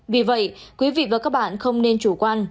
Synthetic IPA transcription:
vi˨˩və̰˧˨jkwi˨˦vḭ˧˨vaː˨˩kaː˦˥k̚ɓa̰ː˧˨nxə˧wŋ͡mne˧nt͡ɕu˧˩kwaː˧n

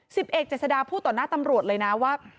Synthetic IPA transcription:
si˨˩p̚ʔe˨˩k̪̚t͡ɕeː˨˩t̪̚sa˧daː˧pʰuː˥˩t̪ːɔː˨˩naː˥˩t̪a˧mɾu˨˩ət̪̚lɤː˧jna˦˥waː˥˩

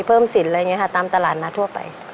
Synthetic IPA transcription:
pʰɤː˥˩msi˨˩˦nlaː˧˨ŋi˧˥˧kʰa˧˥˩t̪aː˧mt̪a˧laː˨˩t̪̚maː˧t̪ʰu˥˩ɐpa̰˨˩j

